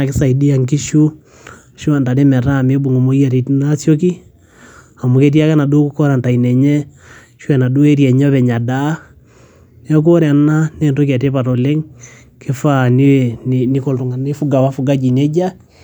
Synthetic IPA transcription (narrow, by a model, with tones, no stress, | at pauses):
a˨ke˦sa˨i˨di˦a˨ŋki˦ʃu˦ | ʃu˦a˨nda˨ɾe˦mɛ˨ɾa˦˨me˦bu˨ŋɡo˨mo˦i˦a˨ɾe˨tnasjo˦k̬i˦ | a˨mu˨ke˦t̬i˦a˦ka˦na˨do˦ku˦kɔ˦ɾa˨nta˨inɛ˨ɲɛ˦ | ʃu˦ɛ˨na˨do˦e˦ɾiɛ˨ɲɔ˦βɛ˨ɲa˨da˨˦ | ɔ˦k̬o˦ɾea˨na˦nendo˦ka˨te˦pa˨ɾo˨le˦ŋ | kʰe˦fa˦nenni˦ko˨lto˨ŋa˨ne˦fu˦ɡa˨wa˦fu˦ɡa˦d͡ʒi˨ne˦d͡ʒa˦